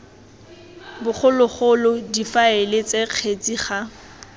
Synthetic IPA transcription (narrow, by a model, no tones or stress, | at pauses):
bʊχʊlʊχʊlʊdifaelɪt͡seq͡χʰet͡sʼiχa